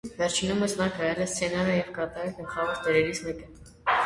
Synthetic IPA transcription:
vɛɾt͡ʃʰinuməsnɑkɑjɛlɛst͡sʰɛnɑɾəjɛvkɑt̪ɑɾəɡəlχɑvɔɾd̪ɛɾɛɾit͡sʰmɛkə

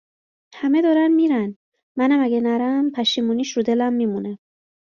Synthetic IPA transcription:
hæmed̪ɒːɾænmiːɾæn | mænæmæɡænæɾæmpʰæʃiːmuːniːʃɾud̪elæmːiːmune

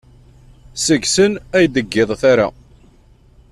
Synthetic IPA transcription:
səɡsənæjd̪əɡːɪðˤθaɾa̰

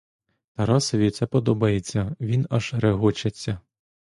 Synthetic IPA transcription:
t̪ɐɾɑsɔʋʲit̪sɛpɔd̪ɔbɐjet͡sʲːɐʋʲinɐʒɾeɦɔt͡ʃɐt͡sʲːɐ

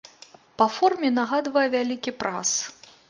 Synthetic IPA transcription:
pɐfɔrmʲɛnaɣad̪vɐjɛvʲalʲikʲipɾa̰s

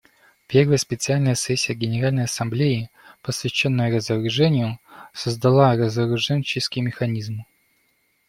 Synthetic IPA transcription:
pʲe̞rvəjəspʲɪt̪sɨalʲnəjəsɛsʲːɪjəɡʲɪnʲɪɾalʲnəjɐsɐmblʲeɪ | pəsvʲɪɕːo̞nːəjəɾəzəɾʊʐɛnʲɪjʊsəzd̪ɐlˠarəzəɾʊʐɛnʲt͡ɕɪskʲɪjmʲɪxɐnʲizm

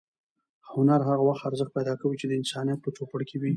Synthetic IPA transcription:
hʊnaɾɦaɣawaxt̪aɾzəxt̪̚pajd̪ɑkawit͡ʃed̪əɪnsɑnijat̪̚pət͡ʃopəɽkʰewi

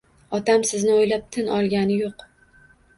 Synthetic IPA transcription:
ɒt̪ʰamsɪznɪojlap̚t̪ʰɪnʔɒlˠɡʲanɪjoq

